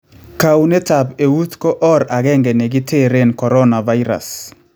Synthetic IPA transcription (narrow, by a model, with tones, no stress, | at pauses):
ka˨wne˦ta˨be˨wu˦t̪kɔ˦ʔɔ˦ɾa˨ɣɛ˦ŋɡɛ˨ne˨ɡɪ˦tʰe˦˨ɾe˦˨nkɔ˨ɾɔ˦na˨va˦i˦ɾa̰˨s